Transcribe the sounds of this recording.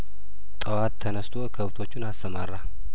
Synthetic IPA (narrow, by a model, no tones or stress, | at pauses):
t̪ʼəwat̪ʰːənəst̪ʰo̞kʰəβt̪ʰo̞t͡ʃːunastəmarːa